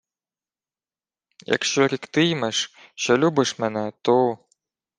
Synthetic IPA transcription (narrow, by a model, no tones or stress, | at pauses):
jɐ̰kʃt͡ʃɔɾʲikt̪ɨjmɛʂɕɔlʲubɨʂmɛnɛt̪o